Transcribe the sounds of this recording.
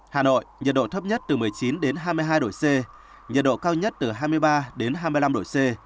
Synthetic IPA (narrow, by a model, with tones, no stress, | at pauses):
haː˨˩no̰˧˨jɲə˨˩t̚ɗo̰˧˨t̪ʰə˦˥p̚ɲə˦˥t̚t̪ɨ˨˩m˨˩əjt͡ɕi˨˦nɗe˨˦nɦaː˧jmɨ˧jɦaː˧jɗo̰˧˨jse˧ | ɲə˨˩t̚ɗo̰˧˨kaː˧wɲə˦˥t̚t̪ɨ˨˩ɦaː˧jmɨ˧əjɓaː˧ɗe˨˦nɦaː˧mɨ˧əjla˧mɗo̰˧˨jse˧